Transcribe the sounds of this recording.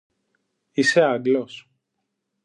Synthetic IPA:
iseɐɡlos

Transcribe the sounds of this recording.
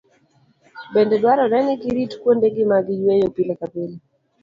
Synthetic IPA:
bɛndɛɗwaɾɔnɛnikiɾitu̥kuɔndɛɡemaɡijwɛjɔpilɛkabeli

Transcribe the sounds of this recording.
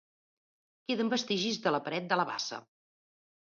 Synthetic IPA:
keðəmbəst̪iʒizðələpəɾɛt̪̚d̪ələβa̰sə̰

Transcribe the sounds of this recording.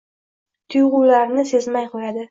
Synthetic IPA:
t̪ʰʊjʁʊːlaɾnɪse̞zmajqʰojad̪ɪ

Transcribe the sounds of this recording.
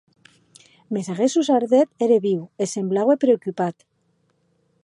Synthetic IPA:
me̞saɣesusaɾðet̪eɾeβiwese̞mblaɣwepɾeokypat̪

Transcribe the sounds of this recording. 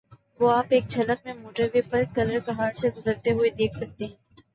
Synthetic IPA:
ʋoːaːpeːk̚t͡ʃʰɐlək̚mẽmoːʈəɾʋepɐɾkɐləɾkɐɦaːɾseɡʊzəɾt̪eɦʊed̪eːkʰsɐk̚t̪eɦɛ̃ː

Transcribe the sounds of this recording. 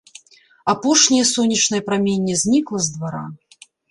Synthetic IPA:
apɔʂnʲɐjɐsɔnʲːɐt͡ʂnɐjɐpɾamʲenʲːɛzʲnʲiklˠɐzd̪vaɾa̰

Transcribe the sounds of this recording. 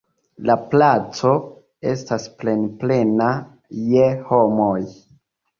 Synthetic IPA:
laplat͡so̞ | e̞stasplenple̞na | jeho̞moj

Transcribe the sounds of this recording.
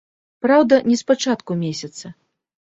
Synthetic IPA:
pɾawd̪ɐnʲɛspat͡ʂat̪kumʲesʲɐt̪sɐ

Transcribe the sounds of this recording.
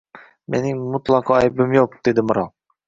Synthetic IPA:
mɛnɪŋmut̪lˠɑqʰɑɛjbɪmjoq̚d̪̥ed̪ɪmɨɾɑ̰lˠ

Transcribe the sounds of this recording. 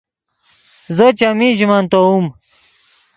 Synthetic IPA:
zət͡ɕamĩʑimant̪oum

